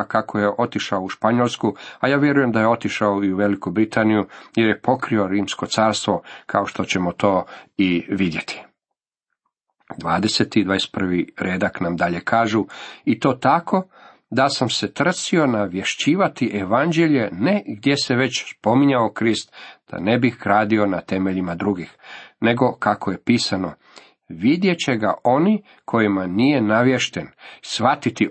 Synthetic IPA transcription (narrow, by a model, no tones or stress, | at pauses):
kakʰoje̞ʔo̞t̪iʃaouʃpaɲolˠskuajaːʋje̞ɾuje̞md̪aje̞o̞t̪iʃaoiuʋe̞likubɾit̪aːnijujeɾjepo̞kɾio̞ɾiːmsko̞t̪saːɾst̪ʋo̞kʰaoʃt̪o̞t͡ɕe̞mot̪o̞ːiʋid̪je̞t̪ʰi̥ | d̪ʋaːd̪eset̪id̪ʋaːjest̪pr̩ʋiɾeːd̪aknamd̪aʎe̞kʰaːʒuit̪o̞ːt̪akʰo̞ | d̪asamse̞t̪r̩sio̞naʋje̞ʃt͡ɕiːʋat̪iʔeʋand͡ʑeʎe̞neɡd̪je̞seʋe̞t͡ɕspo̞miɲaokɾist̪d̪̥a̰ne̞bixɡɾaːd̪io̞nat̪e̞meʎimad̪ɾuɡixne̞ɡo̞kakʰoje̞piːsano̞ | ʋid̪je̞t͡ɕe̞ɡa̰ʔo̞ni | kʰo̞jimanije̞naʋje̞ʃt̪e̞nsʋat̪it̪i